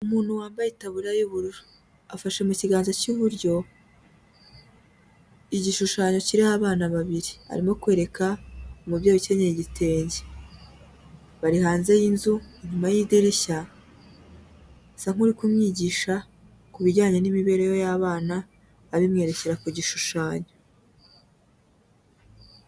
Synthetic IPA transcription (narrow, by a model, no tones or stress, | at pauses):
umuːn̥huwaːmbajitaβuɾajuβuɾuɾu | afaʃe̞muciɡaːnzacuβuɾɟo̞ | iɟiʃuʃaːɲo̞ciɾihaβaːnaβaβiɾia̰ɾimo̞kwe̞ːɾe̞kʰaomubjoːjoce̞ɲeɾiɟitʰe̞ːɲɟe̥ | βaɾihaːnze̞jinzuiɲumajidiɾiça | saŋ̥uɾikumɲiːɟiːʃa | kuβiɟaːɲe̞nimiβe̞ːɾe̞jo̞jaβaːnaː | βimŋe̞ːɾe̞ce̞ɾakuɟiʃuʃaːɲo̞